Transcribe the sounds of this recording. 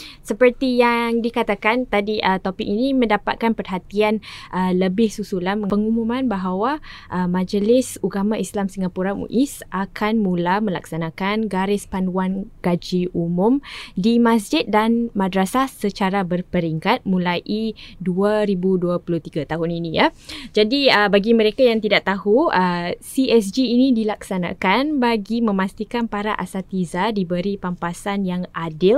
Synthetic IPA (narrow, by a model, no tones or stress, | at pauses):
səpərt̪ijaŋdikat̪akant̪adiʔət̪opɪk̚inimə̃ndapa̰t̪̚kanpərɦat̪ianʔələbɪhsusulanməpəŋumumãnbaɦawaʔəmãd͡ʒəlɪsuɡamãislamsiŋapuɾamṵ̃ʔisʔakʰanmũlamə̃la̰ksanakanɡaɾɪspanuanɡ̥ad͡ʒiʔumʊ̃mdimãs̬d͡ʒɪt̪̚danmãdɾasasət͡ʃaɾabərpəɾiŋkat̪̚mũlaʔiduaɾibuduapuluht̪iɡat̪aɦʊninijad͡ʒadiəbaɡimə̃ɾekajaŋt̪idaʔt̪ahuəsiɛs̬d͡ʒiːnĩdilaksanã̰kanbaɡimə̃mãst̪ikanpaɾaʔa̰sat̪izadibəɾipampasanjaŋʔadɪl